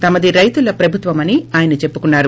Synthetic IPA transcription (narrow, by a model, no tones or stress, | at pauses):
t̪ɐmɐd̪iɾɐjt̪ulɐpɾɐbʱut̪ʋɐmɐniaːjɐnɐt͡ʃe̞pːukunːaːɾu